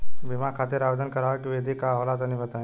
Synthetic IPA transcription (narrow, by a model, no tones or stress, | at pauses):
bimakʰat̪eɾaːʋed̪ənkəɾaːʋkiʋed̪ʱikalat̪ənĩbət̪ã